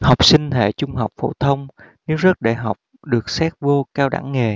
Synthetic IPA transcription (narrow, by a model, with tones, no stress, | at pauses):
ha˨˩wk͡p̚sï˧ŋ̟t̪ʰḛ˧˨t͡ɕʊ˧ŋ͡mɦa˨˩wk͡p̚fo̰˧˩t̪ʰə˧wŋ͡mne˧zə˦˥t̚ɗa̰ː˧˨jɦa˨˩wk͡p̚ | ɗɨ˨˩ək̚sɛː˦˥k̚vo˧kaː˧wɗa̰˧˩˥ŋːe˨˩